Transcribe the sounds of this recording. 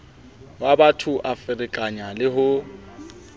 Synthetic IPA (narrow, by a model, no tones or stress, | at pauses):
babatʰʊʔafɪrɪkʼaɲalɪɦʊ